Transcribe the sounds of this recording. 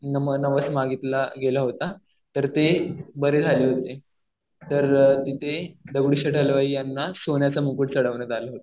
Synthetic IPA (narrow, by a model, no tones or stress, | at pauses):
nəmənəʋəsmaɡit̪laɡelaɦot̪a | t̪əɾt̪ebəɾed͡zʱaliːɦot̪e | t̪əɾt̪it̪ʰed̪əɡɽiɕaʈʰəlʋaiːjanːasonjat͡samukuʈt͡səɽəʋnəd̪alaɦot̪ḁ